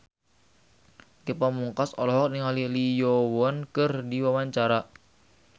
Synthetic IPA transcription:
kepamuŋkasɔlɔɦɔk̚niŋalilijɔwɔnkɨrdiwawaɲt͡ʃaɾa

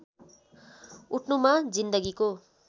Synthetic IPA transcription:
uʈʰnumad͡zind̪ʌɡiko

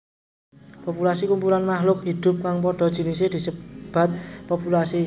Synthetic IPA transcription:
pɔpulasikumpuɾanmahlʊk̚hid̪̥ʊ̤p̚kaŋpɔɖ̥ɔ̤̥ʒ̥inised̪̥i̤səb̥a̤t̪̚pɔpulasi

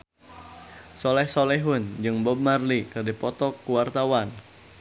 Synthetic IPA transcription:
sɔlɛhsɔlɛɦʊnd͡ʒɨŋbɔb̚marlikɨrdipɔt̪ɔkuwart̪awan

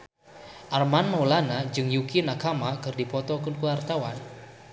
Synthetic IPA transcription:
ʔarmanmawlanad͡ʒɨŋjukinakamakɨrdipɔt̪ɔkʊnkuwart̪awan

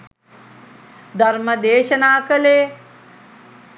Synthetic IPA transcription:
d̪ʱɐɾməd̪eːʃənaːkəleː

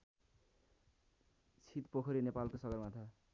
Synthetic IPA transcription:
t͡sʰit̪pokʰʌɾinepalkosʌɡʌrmat̪ʰʌ

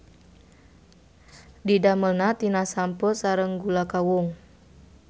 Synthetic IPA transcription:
didaməlnat̪inasampɔsaɾəŋɡulakawʊŋ

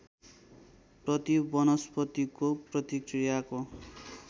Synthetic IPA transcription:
prʌt̪ibʌnʌspʌt̪ikoprʌt̪ikrijako

